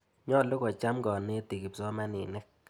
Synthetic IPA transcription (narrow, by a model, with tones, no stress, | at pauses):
ɲɔ˦˨lʊ˦kɔ˨t͡ʃa˦mɡɔ˨ne˦ti˨ki˨psɔ˦ma˦nɪ˨nɛ˦k̚